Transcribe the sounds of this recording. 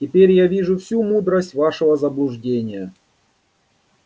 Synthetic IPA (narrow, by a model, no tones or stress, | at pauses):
tʲɪpʲeɾʲjavʲiʐʊfsʲumud̪ɾəsʲtʲvaʂəvəzəblˠʊʐdʲenʲɪjə